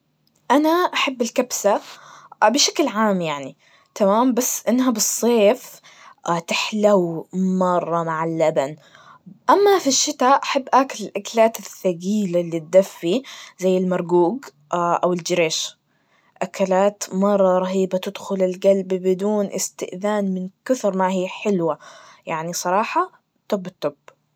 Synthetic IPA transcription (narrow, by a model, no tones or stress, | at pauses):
ʔanaʔaħabːɪlkabsa | bɪʃaklʕaːmjaʕni | t̪amaːmbasːʔɪnːɦabɨsˤːeːf | t̪ɪħlawmɑrˤːɑmaʕɪlːaban | ʔamːafiʃːɪt̪aːʔaħabːʔaːkɪlɪlʔakalaːt̪ɪθːaɡiːlalːit̪̚d̪afːizajːɪlmɑɾˤɡuːɡ | ʔawɪld͡ʒɪɾeːʃ | ʔakalaːt̪mɑrˤːɑɾˤɑɦiːbat̪ɪd̪xʊlɪlɡalbbɪd̪uːnʔɪ̰st̪ɪʔðaːnmɪnkʊθɾˤmaɦiːħɪlwajaʕnisˤɑɾˤɑːħɑ | t̪ːʊbːɪt̪ːʊb̥